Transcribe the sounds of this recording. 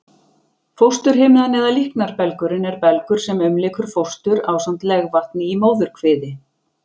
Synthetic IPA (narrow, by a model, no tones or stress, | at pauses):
fowst̪ʏɾ̥ɦeːmɪðanɛːðalihknaɾpɛlkʏɾɪnɛɾpɛlkʏɾ̥sɛmʏmlɪːkʰʏɾ̥fowst̪ʏɾaːwsam̥t̪lɛɣvar̥t̪̚nɪimoːwðʏɾ̥kʰvɪːðɪ